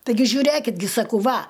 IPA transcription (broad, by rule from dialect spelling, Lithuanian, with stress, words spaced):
tɐɪˈɡʲɪ ʒʲʊˈrʲeːkʲɪt ɡʲɪ sɐˈkɐʊ ˈʋɐ